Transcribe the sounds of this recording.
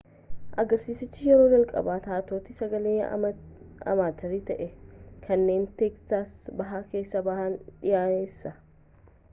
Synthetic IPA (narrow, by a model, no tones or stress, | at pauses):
ʔɐɡɐɾsiːsɪt͡ʃːɪjɛɾo̞ːd͡ʒɐlkʼɐ̰baːt̪aːt̪o̞ːt̪ɪsɐɡɐleːɐ̰ | ɐ̰maːt̪ɐɾiːt̪ɐʔɛkʰɐnːe̞ːnt̪eːkstaːsbɐɦaːke̞ːsːɐbɐhaːnᶑɪjaːjeːsːɐ